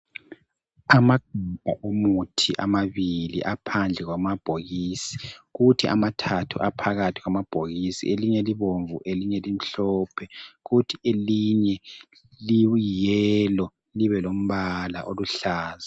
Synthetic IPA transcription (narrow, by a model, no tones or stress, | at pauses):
amaɡ̥ʱub̥ʱa̰ʔomutʰiʔamaβilḭʔapʰand͡ɮʱɛɣwamab̥ʱoɣiːsi̥ɣutʰiʔa̰matʰatʰuʔapʰaɣatʰiɣwamab̥ʱoɣisḭeliɲɛliβoɱvuʔeliɲɛlim̩ɬɔːpʰɛɣutʰieliɲɛ | lijɛlɔ | liβɛlom̩βala̰ʔoluɬaːza